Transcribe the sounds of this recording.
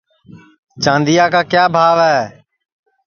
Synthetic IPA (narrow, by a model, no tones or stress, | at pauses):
t͡ʃãːnd̪ijaːkaːkjaːbʱaːʋɛː